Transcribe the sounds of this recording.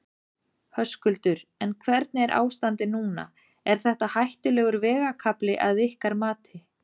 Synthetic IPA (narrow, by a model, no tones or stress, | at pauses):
hœskʏlt̪ʏɾɛnkʰvɛɾt̪̚nɪɛɾʔa̰ːwst̪ant̪ɪnuːna̰ | ɛɾ̥θɛht̪ahajht̪ʏlɛːɣʏɾvɛːɣakʰaplɪʔaðɪhkaɾmaːt̪ɪ